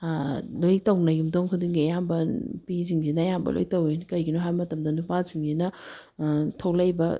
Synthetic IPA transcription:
lojtɐwnɐjumdowŋkʰɐduŋɡiɐjambɐpiziŋd͡ʒinɐɐjambɐ̰lʔo̰jtɐwenkɐjɡinoɦajmɐtɐmdɐnupaziŋd͡ʒinɐ | tʰɐwlɐjbɐ

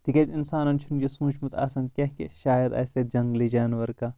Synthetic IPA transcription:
t̪ikʲɐzinsaːnɐnt͡ʃʰunjosũːt͡ʃʰmɐt̪ʰa̰ːsɐŋkʲɐɦkḛʃaːjɐd̪ɐ̰ːsed͡ʒɐŋɡlid͡ʒaːnʋɐɾkaː

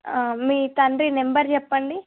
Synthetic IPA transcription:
miːt̪ɐɳɖɾinembɐɾt͡ʃɛpːɐɳɖi

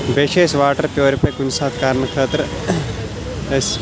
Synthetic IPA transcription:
beʃeːʃʋaːʈɐɾp̪joːɾɐpʰɐkunsaːt̪kaːɾnəkʰaːt̪ɾ | es

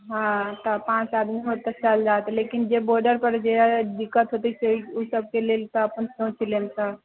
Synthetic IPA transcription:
ɦãt̪ɔpãt͡ʃad̪miɦot̪ːət͡ʃald͡ʒat̪lekind͡ʒeboɾɖəɾpəɾd͡ʒed̪ikːət̪ɦot̪iseusəb̚ʱkelelt̪ɔːpənsnõt͡ʃʰilensə

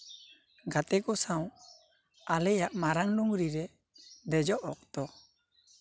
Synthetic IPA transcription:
ɡat̪ɛkɔsaw | alɛjaʔmaɾaŋluŋɾiɾɛ | d̪ɛd͡ʒɔʔɔk̚t̪ɔ

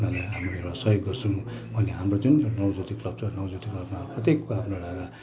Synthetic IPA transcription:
nalajɦamroewɽasʌjoɡːʌrsʰũ | b̥ʱʌneɦamrod͡zunnʌwd͡zut̪iklʌb̚t͡sʰʌnʌwd͡zut̪iklʌbmaprʌt̪jekːoɦamroɽaɡa

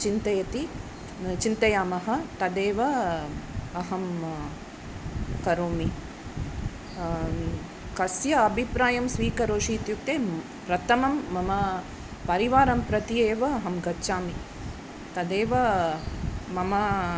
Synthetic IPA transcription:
t͡ʃint̪ɐjɐt̪i | t͡ʃint̪ɐjaːmɐɦɐ̆t̪ɐd̪eːʋɐ | ɐɦɐm | kɐɾoːmi | kɐsjɐːbʱipɾaːjɐmsʋiːkɐɾoːʂiːt̪juk̚t̪eː | pɾɐt̪ʰɐmɐmːɐmɐ | pɐɾiʋaːɾɐmpɾɐt̪ieːʋɐɐɦɐmɡɐtːʃaːmi | t̪ɐd̪eːʋɐ | mɐmɐ

